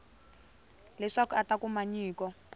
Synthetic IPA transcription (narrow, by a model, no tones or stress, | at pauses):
lɛʂakuatakumaɲiːkɔ